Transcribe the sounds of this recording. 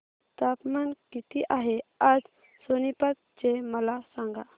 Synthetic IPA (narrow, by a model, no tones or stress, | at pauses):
t̪apmankit̪iʔaɦead͡z | sonipat̪̚t͡ɕeməlasãŋɡa